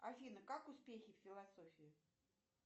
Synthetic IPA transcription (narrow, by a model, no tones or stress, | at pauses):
afʲinəkakʊspʲexʲɪffʲɪlˠasɔfʲɪɪ